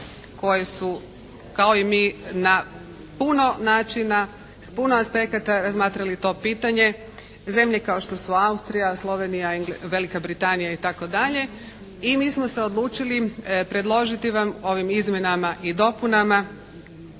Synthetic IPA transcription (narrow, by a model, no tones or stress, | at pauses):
ko̞jesu | kao̞imiːna | puno̞naːt͡ʃina | spunoaspe̞kat̪aɾazmaːt̪ɾalit̪o̞piːt̪aɲe̞ | ze̞mʎe̞kao̞ʃt̪o̞suaust̪ɾijaslˠo̞ʋe̞nijaŋɡʋe̞likabɾit̪anijait̪ako̞d̪aʎe̞ | imiːsmose̞o̞d̪lˠuːt͡ʃilipɾe̞d̪lˠo̞ʒit̪iʋamo̞ʋimizmʲje̞namaʔid̪o̞punama